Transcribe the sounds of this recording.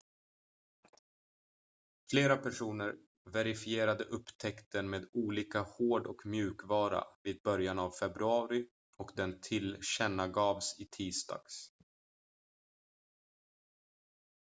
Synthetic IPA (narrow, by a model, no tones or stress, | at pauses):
fleːɾapʰæʂuːnəɾ | vɛɾɪfɪeːɾad̪əʔɵpːt̪ʰɛkt̪ənmeːd̪uːliːkahoːɖɔkmjʉ̟ːkvɑːɾa̰viːd̪̚bœɾjanavfɛbɾɵɑːɾɪ | ɔkd̪ɛnt̪ʰɪlɕɛnːaɡɑːvsɪt̪ʰiːst̪ɑ̰ːɡ̥s